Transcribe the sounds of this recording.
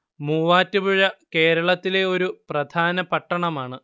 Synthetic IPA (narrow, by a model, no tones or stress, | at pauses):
muːʋaːtːubuɻɐke̞ːɾɐɭɐt̪ːile̞o̞ɾuprɐd̪ʱaːnɐpɐʈːɐɳɐmaːɳɨ